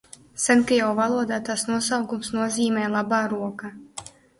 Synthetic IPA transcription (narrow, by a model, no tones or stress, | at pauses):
sɛnkajawvalˠuɔd̪aːt̪asnuɔsawɡumsnuɔziːmɛːlˠabaːɾuɔka